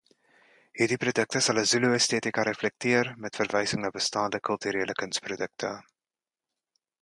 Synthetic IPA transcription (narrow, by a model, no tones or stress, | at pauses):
ɦiːrdiprodək̚təsɐləzuluəsteːtikɐɾɛflɛk̚tiərmɛtfərvɛjsəŋnɑːbəstɑːndəkœlˠtyɾeːləkənsprodək̚tʰə